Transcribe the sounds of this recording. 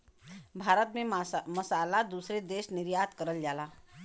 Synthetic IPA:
bʱaːɾət̪mẽmɐsaːlad̪uːsɾed̪eːʃnɪɾjaːt̪kəɾəld͡ʒaːlaː

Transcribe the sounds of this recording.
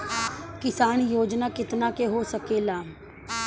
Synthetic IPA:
kɪsaːnjoːd͡ʒnaːkɪt̪naːkeɦoːsəkeːlaː

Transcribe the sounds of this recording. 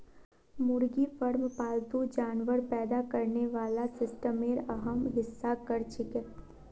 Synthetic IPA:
mʊɾɡifəɾmpaːlt̪ud͡ʒaːnʋəɾpɛːd̪akɐɾneʋaːlasɪsʈəmeːɾɐɦəmɦɪsːakɐɾt͡ʃɪkɪt̪̚

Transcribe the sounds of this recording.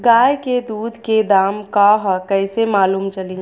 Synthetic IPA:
ɡaːjked̪uːd̪ʱked̪aːmkaɦkɛɪsemaːluːmt͡ʃəlĩ

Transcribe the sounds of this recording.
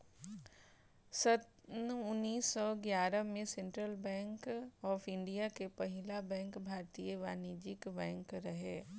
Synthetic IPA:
sɐt̪nʊnːiːsːɔɡjaːɾəmẽsẽɳʈɾəlbɛ̃ːŋkɔːfɪ̃ɳɖijakepɐɦɪlabɛ̃ːŋkbʱaːɾt̪ijəʋaːnid͡ʒɪkbɛ̃ːŋkɾɐɦeː

